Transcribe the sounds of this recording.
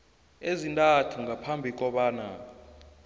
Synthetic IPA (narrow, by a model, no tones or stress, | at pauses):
ezintʼatʰuŋʱapʰambʱik̬ʼɔɓaːna̰